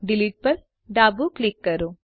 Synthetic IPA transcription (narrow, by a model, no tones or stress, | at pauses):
ɖɪliʈ̚pɐɾ | ɖaːbuklɪkːɐɾoː